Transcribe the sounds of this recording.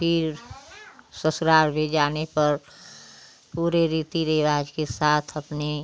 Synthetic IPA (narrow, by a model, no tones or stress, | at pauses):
pʰɪɾ | səsɾaːɾbʱed͡ʒaːnepəɾ | puːɾeɾiːt̪iɾeʋaːd͡ʒkesaːt̪ʰəpne